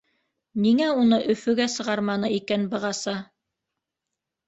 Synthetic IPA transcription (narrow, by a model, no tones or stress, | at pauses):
niŋæunɤʔɵ̆fɵ̆ɡæsɤ̆ʁɑɾmɑnɤikænbɤ̆ʁɑsɑ